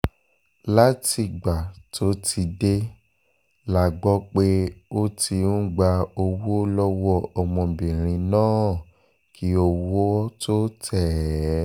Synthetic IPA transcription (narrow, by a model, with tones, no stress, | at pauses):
la˦ti˧˨ɡ͡ba˨tʰo˦tʰi˧de˦ | la˨ɡ͡bɔ˦k͡pe˦o˦ti˧n̩˦ɡ͡ba˧o˧wo˦lɔ˦wɔ˦ɔ˧mɔ̃˧bĩ˨ɾ̃ĩ˧nãː˦˨ | ki˦o˧wo˦ɔ˦to˦tʰɛ˦˨˦